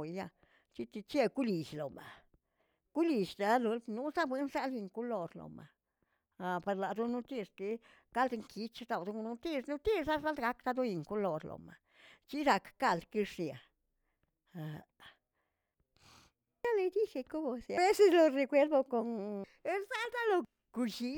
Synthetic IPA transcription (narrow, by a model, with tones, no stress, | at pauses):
ja˧ | t͡ʃi˦t̪i˧t͡ʃe˦ku˦li˨ʃlo˨ma˨ | ku˦li˨ʃd̪a˧lo˧lnu˦sa˦bwe˦nsa˦lji˧˨ŋku˦lo˨ɾlo̰˨ma̰˨ | a˨pa˧ɾla˨d̪u˦nu˦t̪i˦st̪i˦ | ɡ̥a˦ld̪ŋkʰi˨˦t͡ʃd̪a˧˨wd̪u˧˦˧nu˦t̪i˦˧snu˦t̪i˦sa˦za˦ld̪ɡa˦kt̪a˧d̪u˦ji˨ŋku˦lo˨ɾlo̰˨ma̰˨ | t͡ʃi˦d̪a˧kka˧˨ld̪ki˧ʂnja̰˨ | a˨ | a˦le˧d̪i˦ʃe˧ko˦bo˨sja˧e˦se˦slo˧ɾe˧kwe˦ɾbo˧ko˨n˦ | za˦ld̪a˦lo˧ | ku˧ʃi˧˦